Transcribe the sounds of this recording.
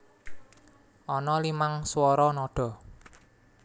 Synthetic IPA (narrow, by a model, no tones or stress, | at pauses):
ʔɔnɔlimaŋswɔɾɔnɔɖ̥ɔ̤